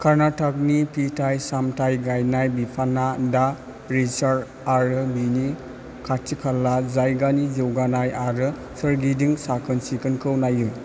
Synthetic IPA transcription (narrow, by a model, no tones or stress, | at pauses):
kʰaɾnatʰak̚nipʰitʰajsamtʰajɡajnajbipʰanada | ɾit͡ʃaɾ | aɾɯbini | kʰatʰikʰalːazajɡanizɯwɡanajaɾɯ | sɯɾɡidiŋsakʰɯnsikʰɯnkʰɯwnajɯŋ